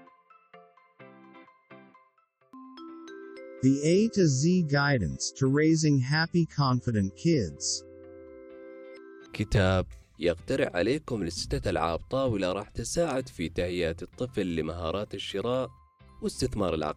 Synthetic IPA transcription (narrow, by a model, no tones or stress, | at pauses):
ðieɪtɨzːiɡaɪdⁿn̩stʰəɹeɪzɪ̃ŋɦæpikʰɑ̃ɱfɨɾɨ̃nkʰɪdz̥ | kʰɪt̪aːb̚ | jɪqt̪aɾɪʕʕa̰leːkʊmlɪsːɪ̥t̪ːaalʕa̰ːb̚t̪ˤɑːwɪlaɾˤɑːħt̪ɪsaːʕɪd̪fit̪ahɪjːaːt̪ɨt̪ˤːɨflːɪmaɦɑ̰ːɾˤɑːt̪ɪʃːɪɾˤɑːʔ | wɪst̪ɪθmɑ̰ːɾˤɪlʕɑ̰